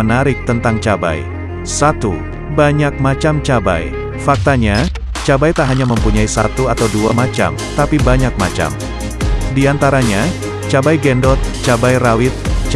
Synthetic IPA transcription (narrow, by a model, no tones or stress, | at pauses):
ənaɾɪk̚t̪ənt̪aŋt͡ʃaba̰j | sat̪ṵ | baɲak̚mat͡ʃamt͡ʃaba̰j | fak̚t̪aɲa | t͡ʃabajt̪aɦaɲaməmpuɲaisa̰t̪uat̪awduamat͡ʃa̰mt̪apibaɲak̚mat͡ʃa̰m | diant̪aɾaɲa | t͡ʃabajɡɛndɔt̪̚t͡ʃabajrawɪt̪̚t͡ʃ